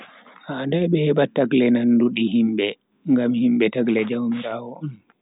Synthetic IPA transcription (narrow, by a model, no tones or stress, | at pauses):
handɛɓɛhɛbatːaɡlɛnanduɗihimɓɛ | ŋɡamhimɓɛtaɡlɛd͡ʒawmiɾawɔɔn